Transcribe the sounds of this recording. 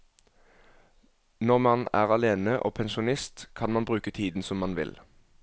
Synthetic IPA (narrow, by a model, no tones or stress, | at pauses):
nɔʁmɑnæ̰ːʁɑleːnəʔo̰ːpʰɛnʃʊnɪst̪kʰɑnmɑnbʁʉːkət̪ʰiːd̪n̩sɔmːɑnʋɪ̰l